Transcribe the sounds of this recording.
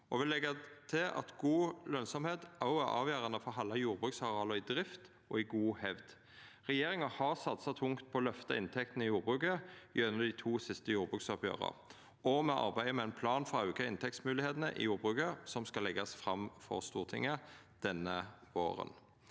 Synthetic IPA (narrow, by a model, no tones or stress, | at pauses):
ɔʋɪlːɛɡət̪ʰɪlɑ̰t̪ɡuːlœnsɔmheːt̪ʔɑʊæɾɑ̰ːʋjøːʁɑnəfɔʁɦɑlːɑjuːʁbʁʉːksɑʁɪɑːləɪd̪ʁɪft̪ | ɔɪɡuːhɛʋd̪ | ʁɛjeːɾʁɪŋɑhɑʁsɑt̪sɑt̪ʰʊŋkt̪̚pʰɔːlœft̪ɑɪnt̪ʰɛk̚t̪nəɪjuːʁbʁʉːkəɪœnːəd̪iːt̪ʰuːsɪst̪əjuːʁbʁʉːksɔpjø̰ːʁə̰ʁ | ɔmɛʔɑ̰ʁbæɪəmɛɛnpʰlɑːnfɔʁɑʉːkɑɪnt̪ʰɛkt̪smʉːlɪheːt̪nəʔɪ̰juːɾbʁʉːkəsɔmskɑlːɛɡɑsfɾɑmfɔ̰ʁst̪uːʁt̪ʰɪŋːə | d̪̥ɛnːəʋo̰ːʁə̰n